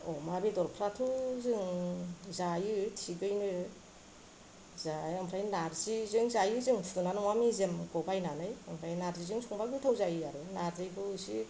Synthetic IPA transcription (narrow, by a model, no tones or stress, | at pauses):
ɔmabedɔɾpʰɾatʰuzɯŋzajɯtʰiɡɯjnɯ | zajampʰɾajnaɾzizɯŋzajɯzɯŋtʰɯnanɯŋwamizemɡɔbajnanɯjampʰɾajnaɾzizɯŋsʰuŋbaɡɯtʰawzajɯaɾɯnaɾzɯjkʰɯsi